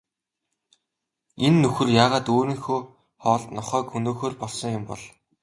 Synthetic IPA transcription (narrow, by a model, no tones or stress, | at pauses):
enːɵxɘ̆rjaːʁaːt̪oːɾɘ̆ŋxoː | χɔːɮt̪nɔχœːkxɵnoːxoːrpɔɮsɞ̆ŋjʊmpɔ̰ɮ